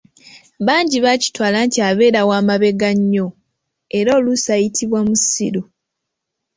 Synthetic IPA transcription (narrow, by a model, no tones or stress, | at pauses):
βaːɲɟiβaci̥twaːlaːntiaβe̞ːɾawaːmaβe̞ɡaɲːo̞ | e̞ɾoːlusajitʰiβwamusḭɾu